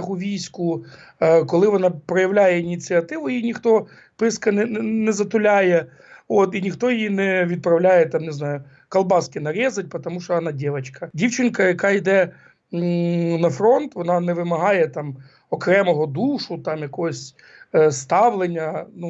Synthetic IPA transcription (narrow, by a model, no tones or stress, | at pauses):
ɦʊʋʲijsʲkʊ | kɔlˠɪʋɔnɑpɾɔjɐʋlʲajɛinʲit͡sʲiɐt̪ɪʋʊjinʲixt̪ɔ | pɪskɐnɛnɛzɐt̪ʊlʲajɛ | ot̪inʲixt̪ɔjijinɛʋʲid̪̚pɾɐwlʲajɛt̪ɑmnɪznɑjʊ | kɐlˠbɑskɪnɐɾʲɛzɐt̚ʲpɔt̪ɔmuʃɔɐnɑdʲɛʋɐt͡ʃkɐdʲiwt͡ʃɪnʲkɐjɐkɑjd̪ɛ | nɐfɾɔnt̪ʋɔnɑnɛʋɪmɐɦɑjɛt̪ɑm | ɔkɾɛmɔɦɔd̪uʃʊt̪ɑmjɐkɔɦɔsʲ | st̪ɑʋlˠenʲːɐnu